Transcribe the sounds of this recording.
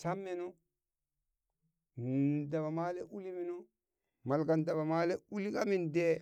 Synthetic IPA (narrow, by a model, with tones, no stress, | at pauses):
ta˦mːe˦nu˦ | n˨da˨ba˨ma˦le˦ʔu˦li˦mi˦nu˦ | ma˨lɡa˨nda˨ba˨maː˦le˦u˦li˦ka˦mi˦nde˦